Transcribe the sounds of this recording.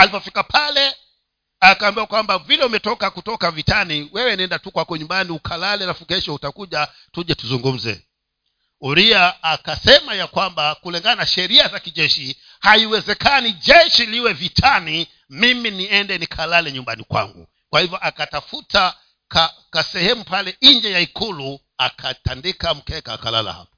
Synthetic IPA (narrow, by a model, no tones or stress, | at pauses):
alipɔfi̥kapʰalɛ | akaːmbiwakwambavilɛumɛtɔkakutɔkavitaniwɛwɛnɛndatukwakɔɲumbaniukʰalalɛalafukɛʃɔhutakuʄa | tuʄɛtuzuŋɡum̩zɛ̰ | uɾiaːkasɛmajakwambakulɛŋɡanaʃɛɾiazakiʄɛʃi | haiwɛzɛkaniʄɛʃiliwɛvitʰani | miminiɛndɛnikʰalalɛɲumbanikwa̰ŋɡṵ | kwahivjɔʔakatafuta | kakasɛhɛmupalɛiɲd͡ʒɛjaikulu | akʰatandikam̩kɛka̰ːkala̰la̰ha̰pɔ̥